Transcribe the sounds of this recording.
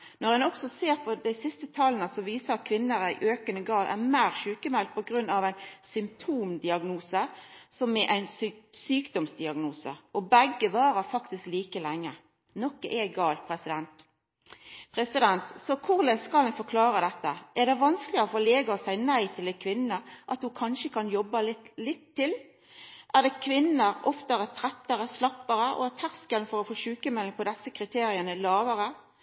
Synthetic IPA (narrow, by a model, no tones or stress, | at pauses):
nɔʁhɛnɔksɔseːʁpʰɔd̪æɪsɪst̪ət̪ʰɑːlənəsɔʋiːsəɑt̪̚kʰʋɪnːəɾæɪʔøːkənəɡɑːlʔæ̰mæːʁʃʉːkəmɛlt̪̚pʰɔɡɾʉnːɑʋæɪnsʏmp̚t̪ʰuːmd̪ɪɑɡnuːsə | sɔmːɛʔæɪnssyːkd̪ɔmsd̪ɪɑɡnuːsə̰ɔbæɡːəʋɑːɾəɾfɑkt̪ɪskliːkəlɛŋːə̰ | nɔkːəʔɛɡɑːlt̪̚pʰɾɛsɪd̪ɛnt̪ | pʰɾɛsɪd̪ɛnt̪sɔkʰʊʁlɛskɑlənfɔkʰlɑːɾəd̪ɛt̪ːəʔæʁd̪ɛʋɑnsklɪəɾɔfoːleːɡəɔsæɪənæɪt̪ʰɪlɛkʰʋɪnːəʔɑt̪hʊkʰɑnʃəkʰɑnjɔbːəlɪt̪lɪt̪ʰːɪl | ʔæʁd̪ɛkʰʋɪnːəɾɔft̪əɾət̪ʰɾɛt̪ːəɾəslɑpːəɾəʔɔ̰æt̪ʰæʁskəlnfɔɾɔfoːʃʉːkəmɛlɪŋpʰɔd̪ɛsːəkʰʁɪt̪ʰeːɾɪənəlɑːʋəɾə